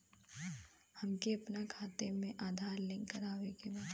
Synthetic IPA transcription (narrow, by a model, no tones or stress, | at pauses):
hɐmkeɐpnakʰaːt̪emẽʔaːd̪ʱaːɾlɪ̃ːŋkəɾaːʋekebaːd̪